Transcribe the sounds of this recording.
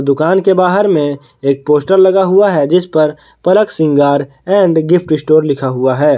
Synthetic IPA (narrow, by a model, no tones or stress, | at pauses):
d̪ʊkaːnkebaːɦəɾmẽ | eːk̚poːsʈəɾlɐɡaɦʊaɦɛd͡ʒɪspɐɾ | pɐləksɪ̃ŋɡaːɾ | ɛ̃ːɳɖɡɪpʰʈɪsʈoːɾlɪkʰaɦʊaɦɛː